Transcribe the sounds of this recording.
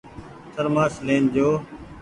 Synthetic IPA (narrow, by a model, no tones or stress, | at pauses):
səɾmaːsleːnd͡ʑoː